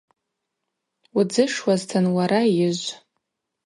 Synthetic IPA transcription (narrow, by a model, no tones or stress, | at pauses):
ud͡zɨʂwaztʰanwaɾajɪʒʷ